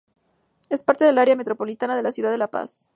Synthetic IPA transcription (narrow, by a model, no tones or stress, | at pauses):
e̞spaɾt̪e̞ð̞e̞laɾjamet̪ɾo̞po̞lit̪anað̞e̞lasjuðaðelapa̰s